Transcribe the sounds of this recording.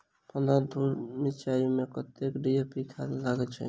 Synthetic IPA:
pənd̪ad̪̚bʱuɾmit͡ʃajumekət̪ekɖiepit̪ʰa̰laɡɛt͡ʃʰɛ̰

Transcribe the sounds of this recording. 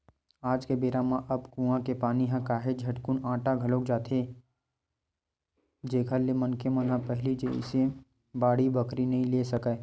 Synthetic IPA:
aːd͡ʒkebeːɾamãʔɐbkũːãkepaːniɦãkaːɦed͡ʒʱɐʈkʊnãːʈaɡʱɐlõkd͡ʒaːt̪ʰe | d͡ʒeːɡʱəlːemɐnkemə̃nɦãpɛɦɪlid͡ʒeɪ̰se | baːɽibəkɾinɐɦĩleːsɐkə

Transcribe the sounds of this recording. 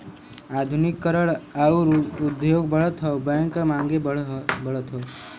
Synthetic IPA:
ad̪ʱunikːəɾəɭauɾud̪joːɡbəɭət̪ɦɔbəŋkmãːŋɡebəɭət̪ʰɦɔ

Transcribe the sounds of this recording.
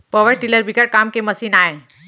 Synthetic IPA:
pəʋəɽʈiləɾbʱikəʈ̚kamkeməsiːnaɦe

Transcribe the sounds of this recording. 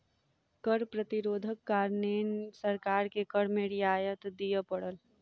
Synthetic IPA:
kəɾpɾət̪iɾoːd̪ʱəkːaːɾnensəɾkaːɾkekəɽmeɽijaːjət̪d̪ijəpəɽəl

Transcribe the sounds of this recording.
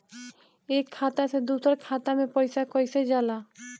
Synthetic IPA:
eːkʰːaːt̪ased̪uːsəɾkʰaːt̪amẽpɔɪsakɔɪsed͡ʒaːlaː

